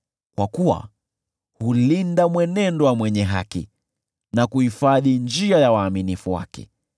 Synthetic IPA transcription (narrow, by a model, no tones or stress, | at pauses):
kwakuwa̰ | hulindamwɛnɛndɔwamwɛɲɛɦa̰kḭ | nakuhifaðind͡ʒiajawaːminifuwa̰kɛ̰